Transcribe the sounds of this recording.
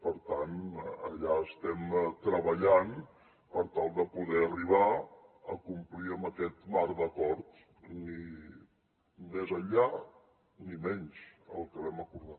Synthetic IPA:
pəɾt̪anəʎaəst̪ɛmt̪ɾəβəʎan | pəɾt̪alˠd̪əpuðɛəriβ̞aəkumpliəmbəkɛt̪maɾd̪əkɔɾt̪ | ni | mezəʎa | nimɛɲsəlˠkəβɛməkuɾðat̪̚

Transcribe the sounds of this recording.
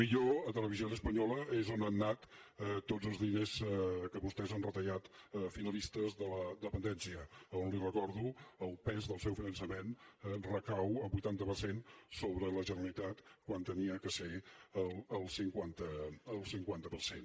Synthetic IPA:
miʎoət̪ələβizionəspəɲɔləezonanːat̪t̪ːozəlˠzðineskəβust̪ɛzanrət̪əʎat̪finəlist̪əzðələd̪əpənd̪ɛnsiəonlirəkɔɾðuəlˠpɛzðəlˠsɛwfinənsəmenrəkawəmbujt̪ant̪əpərsensoβɾələʒənəɾəlit̪at̪kwant̪əniəkəseəlˠəlˠsiŋkwant̪əːlˠsiŋkwant̪əpəɾsen

